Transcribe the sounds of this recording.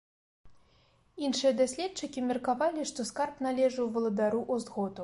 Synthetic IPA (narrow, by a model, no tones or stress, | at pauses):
inʂɨjɐd̪asʲlʲɛtt͡ʂɨkʲimʲɛrkavalʲiʂt̪ɔskarpnalʲɛʐɨwvɐlˠɐd̪aɾuʔuzɣɔt̪u